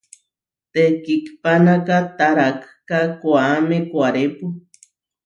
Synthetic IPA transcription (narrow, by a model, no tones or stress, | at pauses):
t̪ekikpanakat̪aɾak | kakwamekʷaɾepu